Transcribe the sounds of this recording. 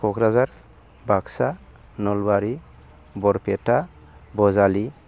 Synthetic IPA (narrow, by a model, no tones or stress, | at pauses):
kʰɔkʰɾazaɾ | baksa | nɔlbaɾi | bɔɾpʰɛta | bɔzali